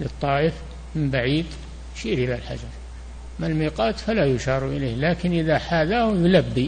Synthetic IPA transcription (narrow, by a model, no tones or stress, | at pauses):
lɨt̪ˤːɑːʔɪf | mɪmbaʕiːd̪ | jʃiːɾʔɪlalħa̰d͡ʒɑɾˤ | malmiːqɑːt̪falajʊʃɑːɾˤuʔɪleːhlaːkɪnʔɪðaħaːðahjʊlabːi